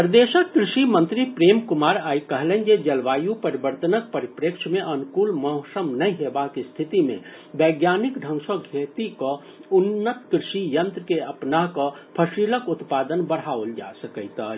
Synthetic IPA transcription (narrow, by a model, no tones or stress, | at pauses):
pɾd̪eːʃəkkɾɪʃimə̃nt̪ɾipɾeːmkʊmaːɾaːikəɦlẽnd͡ʒed͡ʒɐlʋaːjũpəɾibəɾt̪ənək̚pəɾɪpɾekʃʰmẽʔɐnkuːlmɔʊsəmnɐɦĩɦebakist̪ʰɪt̪imḛ̃ | bɛɡjaːnɪkɖʱə̃ŋʃoɡʱeːt̪iko | ʊnːət̪kɾɪʃijə̃nt̪ɾəkeɐpnaɦkopʰəsiːləkʊt̪paːd̪ənbəɽ̤aːold͡ʒa̰səkəjt̪